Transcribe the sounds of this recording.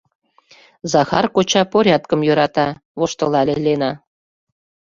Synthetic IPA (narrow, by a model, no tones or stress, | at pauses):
zɑxɑrkot͡ɕɑpoɾʲɑt̪̚kə̆mjøɾɑt̪ɑβoʃt̪ɤ̆lɑlʲelenɑ